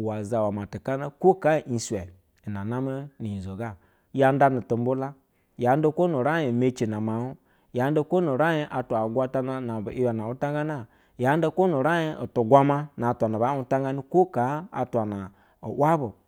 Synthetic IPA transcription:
wa˨za˨wa˨ma˨ti˨ka˦na˦ko˦ka˦˨ʔi˨swɛ˨ | na˨na˦me˦ni˨i˨zo˨ɡa˦ | ja˧n˦da˦nu˨to˨m̩˦bu˦la˦ | ja˨˦n˦da˦ko˦nu˨ɾa˦i˨me˦t͡ʃi˨na˨ma˨wu˦ | ja˨˦n˦da˦ko˦nu˨ɾa˦ɲi˦ʔa˨tʷa˨ɡʷa˦ta˦na˦na˨bʔi˦wa˨na˨wu˦ta˦ŋɡa˦na˦ | ja˨˦n˦da˦ko˦nu˨ɾa˦i˦o˨tu˨ɡʷa˦ma˦na˨tʷa˨na˨ba˨˦u˦ta˦ŋ˦ɡa˦ni˦ko˦ka˨˦a̰˨tʷa˨na˨ | o̰˨ʔwa˦bo˨

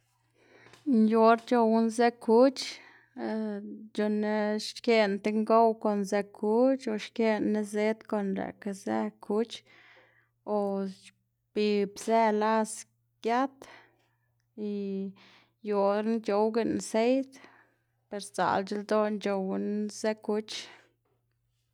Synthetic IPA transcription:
njo˧ɾt͡ʃo˧wu˦nze˦ku˦t͡ʃ | d͡ʒo˧ne˦ʃke˦nt̪e˧ŋɡo˦wko˨nze˧kʰu˦t͡ʃo˨ʃke˦nːe˦ze˦t̪ko˧˨nɾḛ˨ka˧zḛ˦kʰu˦t͡ʃ | o˨ | b̥i˧˨bze˦la˦s | ɡ̥ja˦t̪ | i˧ | jo˨ɾn˦t͡ʃo˧wɡe˧nse˦jt̪ | pe˧ɾza̰˨lt͡ʃi˦ld̪o˦nt͡ʃo˨wnze˦ku˦t͡ʃ

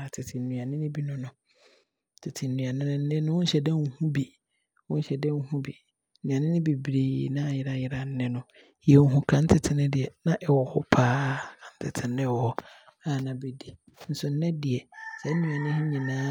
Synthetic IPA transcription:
tʰɪ˨tʰɪ˨nũ˨a˨nɪ̃˦nɪ̃˦bi˦nʊ̃˦nʊ̃˨˦ | tʰɪ˨tʰɪ˨n̩˨nũ˨a˨nɪ̃˦nɪ̃˦n̩˦nɪ̃˦nʊ̃˦wʊ̃˦n̩˦ɕɛ˨dɛ̃˦ŋ̩˦hũ˦bi˨ | wʊ̃˦n̩˦ɕɛ˨dɛ̃˦ŋ˦hũ˦bi˨˦ | nũ˨ã˨nɪ̃˦nɪ̃˦be˨bɾiː˨nã˦˨jɪ˦ɾa˦jɪ˦ɾa˨n̩˦nɪ̃˦nʊ̃˨ | jɛ˨ŋ̩˦ɦũ˨kʰã˦n̩˦tʰɪ˨tʰɪ˨nɪ̃˦dɪ˨ɛ˨nã˦ʔɛ˨wɔ˨hɔ˦pʰaː˦˨kʰã˨n̩˦tʰɪ˨tʰɪ˨nɪ̃˦wɔ˨hɔ˦ | a˨nã˨be˨di˨ | n̩˦sʊ˨n̩˦nɛ̃˦dɪ˨ɛ˨sɛ˦nũ˨a˨nɪ̃˦hi˦ɲĩ˨nãː˦

